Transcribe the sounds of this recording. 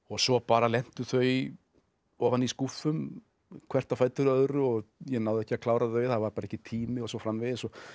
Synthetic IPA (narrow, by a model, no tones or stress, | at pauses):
ɔɣsɔpaːɾalɛn̥t̪ʏθœɥ | ɔːvaniskufʏm | kʰvɛr̥t̪afaːjt̪ʏɾœðɾʏɔɣjɛnaːwðɛhcɪakʰlaːwɾaðœɥjθaðvaɾpaɾaɛhcːɪt̪ʰiːmɪɔsɔfɾamvɪðɛsɔ